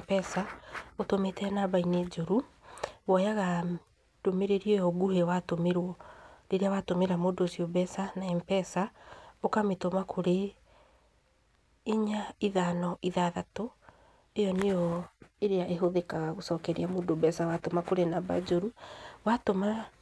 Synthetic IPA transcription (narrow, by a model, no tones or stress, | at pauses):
pɛsaotometɛnabained͡ʒoɾu | βɔjaɣa | d̥omeɾeɾiɔjɔɡuhɛwatomeɾwɔɾeɾeawatomeɾamodosiobɛsanaɛmpɛsaokametomakʰoɾe | ɲaiðanɔʔiðaðato | ejɔnejɔeɾeaʔeɦoðekaɣaɣosɔːkɛɾeamodobɛsawatomakoɾenaba̰d͡ʒoɾuwatoma